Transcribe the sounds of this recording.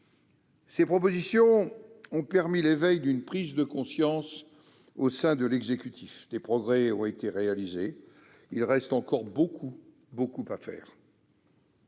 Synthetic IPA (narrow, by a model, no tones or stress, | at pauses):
sepχɔp̬ozisjɔ̃ɔ̃pɛʁmilevɛjd̪ynpχizd̪əkɔ̃sjɑ̃s | osɛ̃d̪əlɛɡzekʲyt̪ʰifd̪epχɔɡʁɛɔ̃et̪eʁealize | ilʁɛst̪ɑ̃kɔʁbokʰu | bokupafɛ̰ːʁ